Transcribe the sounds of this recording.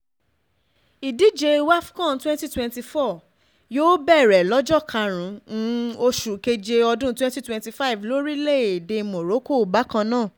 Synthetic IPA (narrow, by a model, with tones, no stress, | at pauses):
i˨di˦d͡ʒe˧wa˦fkɔ̃˦˨twɛ̃˦nti˦twɛ̃˧nti˧fɔ˦˨ | joː˦bɛ˦˨ɾɛ˨lɔ˨˦d͡ʒɔ˦˨kʰa˧ɾ̃ũ˨˦o˧ʃu˨ke˧d͡ʒe˧ɔ˧dũ˦twɛ̃˦nti˦twɛ̃˧nti˧fa˦i˨vlo˨˦ɾi˦le˦˨e˨de˧mo˨ɾo˨˦ko˦˨ba˨˦kã˧nãː˦˨